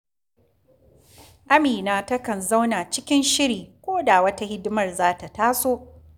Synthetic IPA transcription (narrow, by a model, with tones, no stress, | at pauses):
ʔa˦miː˨naː˦tɐ˦kɐ˨nza˦wna˨t͡ʃɪ˦kʲɪ˦nʃɪ˦ɽiː˨kʷoː˦da˨wɐ˦ta˦hɪ˦dʊ˦mɐ˦˨rzaː˦ta˨taː˦soː˦ʔ